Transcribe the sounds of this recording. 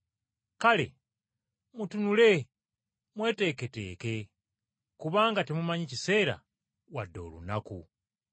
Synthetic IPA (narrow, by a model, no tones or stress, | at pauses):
kale̞̰ | mutunule̞ | mwe̞ːte̞ːke̞te̞̰ːke̞ | kuβaːŋɡate̞mumaɲecise̞ːɾa̰ | wadːo̞̰ːlṵnakṵ